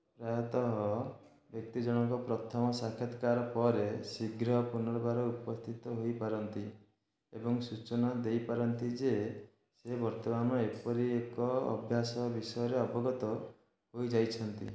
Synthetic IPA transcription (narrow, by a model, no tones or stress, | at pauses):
pɾajɔt̪ɔɦɔ | bjɔk̚t̪id͡ʒɔɽ̃ɔŋkɔpɾɔt̪ʰɔmɔsakʰɔt̪kaɾɔpɔɾesiɡɾɦpunɔɾɔbaɾɔupɔst̪ʰit̪ɔɦojpaɾɔnt̪i | ebɔŋsut͡ʃɔnad̪ejpaɾɔnt̪id͡ʒe | sebɔɾt̪ɔmanɔepɔɾiekɔ̰ːbʱjasɔbisɔjɔɾeɔbɔɡɔt̪ɔ | ɦojd͡ʒajt͡ʃʰɔnt̪ḭ